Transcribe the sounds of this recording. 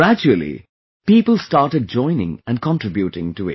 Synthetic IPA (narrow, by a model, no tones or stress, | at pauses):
ɹæd͡ʒuəl̩ˠḭ | piːpəl̩ˠstɑɹʈɨd̚d͡ʒɔ̃ɪ̃nɪ̰̃ŋɨ̃nkʰɑ̃ntɹ̥ɪbjuɾɪ̰̃ŋtuɪ̰